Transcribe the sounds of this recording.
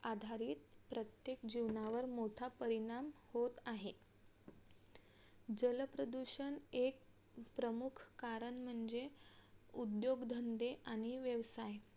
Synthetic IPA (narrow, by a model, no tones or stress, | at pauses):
ad̪ʱaɾiːt̪pɾət̪jekd͡ʑiʋnaʋəɾmoʈʰapəɾiɽ̃amhot̪aɦe | d͡ʑələpɾəd̪uɕəɳek̚ | pɾəmukʰkaɾəɳm̤əɳd͡ze | ud̪joɡd̪ʱənd̪eʔaɽ̃iʋjəʋsaj